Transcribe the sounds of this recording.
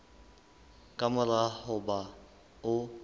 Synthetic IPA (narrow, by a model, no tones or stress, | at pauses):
kʼamʊlahʊba | ʊ